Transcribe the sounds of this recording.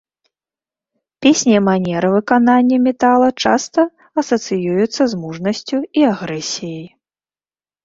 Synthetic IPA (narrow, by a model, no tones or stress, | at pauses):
pʲesʲnʲimanʲɛɾɨvɨkananʲːɐmʲɛt̪alˠɐt͡ʂa̰st̪ɐ | ɐsɐt̪sɨjujut̪sːɐzmuʐnɐsʲt͡sʲuiaɣɾɛsʲijɐj